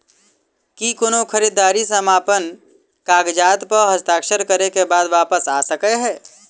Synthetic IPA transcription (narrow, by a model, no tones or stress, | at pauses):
kikʊnokʰəɾid̪aːɾisəmaːpən | kaːɡd͡ʒaːt̪pəɾɦəst̪aːkʃəɾkəɾekebaːd̪ʋaːpəsa̰ːsəkeɦɛː